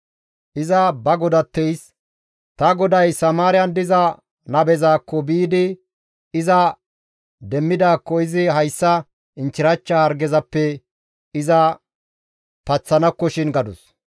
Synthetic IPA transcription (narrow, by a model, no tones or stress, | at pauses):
ʔɪzɐbɐɡɔd̪ɐt̪ːɛjs | t̪ɐɡɔd̪ɐjsɐmaːɾɪjɐnd̪ɪzɐ | nɐbɛzaːkːɔbiːd̪ɪ | ɪzɐ | d̪ɛmːɪd̪aːkːɔɪzɪɦɐjsːɐ | ɪnt͡ʃːɪɾɐt͡ʃːɐhɐɾɡɛzɐpːɛ | ɪzɐ | pɐt͡sːɐnɐkːɔʃɪnɡɐd̪ʊs